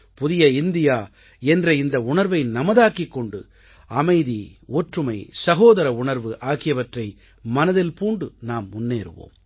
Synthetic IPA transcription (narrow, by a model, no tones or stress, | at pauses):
pʊðɪjɐɪnd̪ɪjaː | ɛndrɐɪnd̪ɐʊɳɐɾʋɐɪnɐmɐðaːkikːɔɳɖɯ̰ | ɐmɐɪðioːʈrɯmɐɪsɐɣoːðɐɾɐʊɳɐɾʋɯʔaːɣɪjɐʋɐʈrɐɪ | mɐnɐðɪlpuːɳɖɯnaːmːʊnːeːɾɯ̰ʋo̰ːm